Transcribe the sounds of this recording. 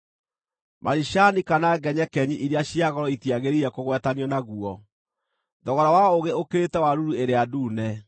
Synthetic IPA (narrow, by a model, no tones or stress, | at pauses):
mʔa̰ɾiʃanikanaɡɛɲɛkɛɲiʔiɾeaɕiaɣɔɾɔitiaɣeɾiɾɛkoɣwɛtaniɔnaɣuɔ | ðɔɣɔɾawaoɣeokeɾetɛwaɾuɾueɾeaduːnɛ